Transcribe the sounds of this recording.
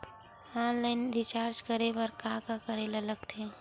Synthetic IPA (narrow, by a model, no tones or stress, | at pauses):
ɔːnlaɪnɾɪt͡ʃaːɾd͡ʒkəɾebəɾkãkakəɾelaləɡt̪ʰeː